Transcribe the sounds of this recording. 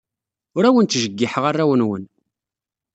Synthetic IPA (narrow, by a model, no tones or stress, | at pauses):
ʊɾæwənt̪ːʒəɡːiħəʁarːæwənwən